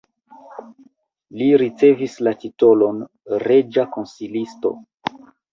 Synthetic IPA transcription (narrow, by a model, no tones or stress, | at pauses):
liɾit͡se̞vislatito̞lo̞n | ɾe̞d͡ʒako̞nsilisto̞̰